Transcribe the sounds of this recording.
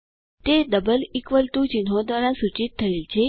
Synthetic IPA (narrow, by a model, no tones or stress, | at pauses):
t̪ed̪əbəlikʋəlt̪ũt͡ʃinɦõd̪ʋaɾasut͡ʃit̪ʰːəelt͡ʃʰe